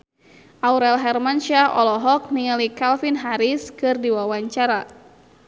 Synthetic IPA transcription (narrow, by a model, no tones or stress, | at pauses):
ʔauɾɛlɦɛrmanʃaʔɔlɔɦɔk̚niŋalikalfinɦaɾiskɨrdiwawaɲt͡ʃaɾa